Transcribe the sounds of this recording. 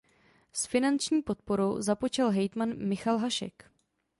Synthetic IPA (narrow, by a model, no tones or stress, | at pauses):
sfɪnant͡ʃɲiːpo̞t̪̚po̞ɾowzapot͡ʃɛlɦɛjt̪manmɪxalɦaʃɛ̰k